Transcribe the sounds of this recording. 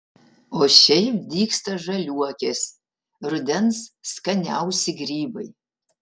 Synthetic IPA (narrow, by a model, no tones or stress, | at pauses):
oʃejmdiːkstʰɐʐɐlʲuɐkʲʰes | rɨdɛnzskɐnʲa̰ːwsɪɡriːbɐ̰j